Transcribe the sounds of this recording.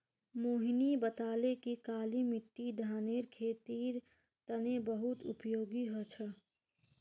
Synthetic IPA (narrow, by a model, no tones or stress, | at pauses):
moːɦinibət̪aːlekikaːlimɪʈːiɖ̪ʱaːneːɾkʰeːt̪iːɾ | t̪ənebəɦʊt̪ʊ̰pjoːɡiɦot͡ʃʰə